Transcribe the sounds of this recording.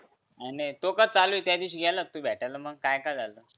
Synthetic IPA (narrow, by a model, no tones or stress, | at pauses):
anit̪okat͡saluːit̪jad̪iɕ̬ɡʱalət̪ubʱɛʈʰaləməɡ̚kajkajd͡zaləː